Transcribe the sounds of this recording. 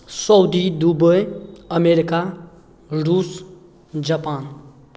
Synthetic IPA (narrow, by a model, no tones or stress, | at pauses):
sɔwd̪id̪ubəjəmeɾika | ɾuːs | d͡ʒɐpaːn